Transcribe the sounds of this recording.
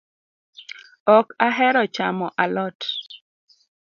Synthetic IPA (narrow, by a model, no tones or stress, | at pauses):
ɔkaɦɛɾɔt͡ʃamɔʔalɔt